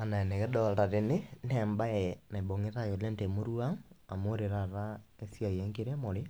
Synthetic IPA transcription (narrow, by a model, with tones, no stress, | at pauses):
a˨na˨ɛ˨nɛ˨ɣɛdɔ˦lta˨ɾene˦nɛmba˦ɛna˨i˨bɔ˨ŋeɾa˦jɔ˨lɛ˦ntɛ˨mo˦ɾuaŋa˨moɾeɾaɾakesiajɛŋɡe˦ɾɛ˦mo˨ɾe˦